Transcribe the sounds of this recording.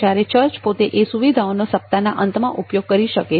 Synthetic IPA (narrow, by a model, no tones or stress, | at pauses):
aɾet͡ʃəɾt͡ʃpot̪eʔesuʋid̪ʱaonosəp̚t̪anaʔənt̪mãʔupjoɡ̚kəɾiʃəke